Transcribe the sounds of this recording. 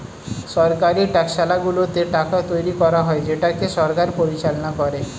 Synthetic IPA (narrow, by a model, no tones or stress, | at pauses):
ʃɔɾkaɾiʈɛkʃalaɡulot̪eʈakat̪ojɾikɔɾaɦɔed͡ʑeʈakeʃɔɾkaɾpoɾit͡ɕalonakɔɾe